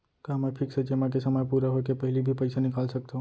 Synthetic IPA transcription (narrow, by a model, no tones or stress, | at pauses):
kamɛpʰɪkset͡ʃemak̬esɐmaːjpuːɾaɦokepɐɦɪlibʱipɐɪsanɪkaːlsɐk̚t̪aɦũ